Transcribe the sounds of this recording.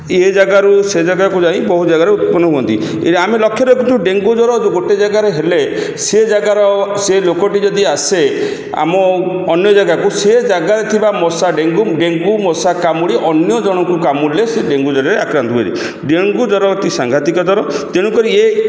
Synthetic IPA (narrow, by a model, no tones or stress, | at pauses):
ed͡ʒaɡaɾused͡ʒaɡakud͡ʒãĩbɔɦud͡ʒaɡaɾeut̪̚pɔnːɔɦuɔnt̪i | ḛɾiamelɔkʰːjɔɾɔkunt̪ũɖeŋɡud͡ʒɔɾɔd͡ʒuɡoʈed͡ʒaɡaɾeɦele | sed͡ʒaɡaɾɔselokɔʈid͡ʒɔd̪iase | a̰mɔːnjɔd͡ʒaɡakused͡ʒaɡaɾet̪ʰibamɔsaɖeŋɡuɖeŋɡumɔsakamuɽiʔɔnjɔd͡ʒɔɽ̃ɔkukamuleseɖeŋɡud͡ʒɔɾaɾeakɾant̪ɔbḛɾḭ | ɖeŋɡud͡ʒɔɾɔt̪isaŋɡʱat̪ikɔd͡ʒɔɾɔt̪eɽ̃ukɔɾie